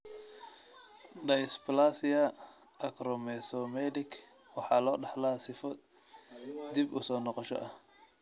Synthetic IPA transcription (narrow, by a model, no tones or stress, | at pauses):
ɖɐjɪsplasɪɐ | ɐkɾɔmɛsɔmɛlɪkʰ | wɑħɑːlɔːɖɑħlasɪfɔ | d̪ibʊ̰sɔːnɔqɔʃɔ̰ʔɐh